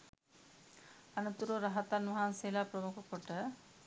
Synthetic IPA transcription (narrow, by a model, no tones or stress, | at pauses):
ɐnɐt̪uɾoːɾɐɦɐt̪anʋɐɦanseːlaːpɾɐmukʰɐkɔʈːɐ